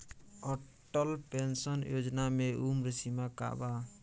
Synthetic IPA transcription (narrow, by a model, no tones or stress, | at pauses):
ɔ | ʈːəlpensənjod͡ʒnameʔumɾəsimaka̰ba